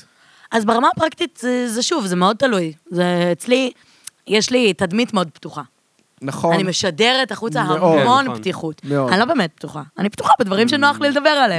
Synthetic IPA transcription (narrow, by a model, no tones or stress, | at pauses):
ʔazbeʁamapʁakt̪it̪zezeʃuvzemeo̞d̚t̪alujzeːt͡sli | jeʃlitad̪mitmeo̞d̪̚ptuχa | naχanimeʃadeʁetaχut͡saɦamo̞nptiχutanilo̞beːmet̪̚bt̪uχaːnipt̪uχabed̪vaʁimʃenoaχliled̪abe̞ʁalem